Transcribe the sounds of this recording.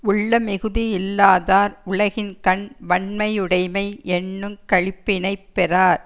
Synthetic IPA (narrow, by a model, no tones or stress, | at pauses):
ʊɭːɐmɛɣɯðijɪlːaːðaːɾʊɭɐɣɪnkɐɳʋɐɳmɐjʊɽɐɪmɐɪʔɛnːɯmkɐɻɪpːɪnɐɪpːɛraːɾ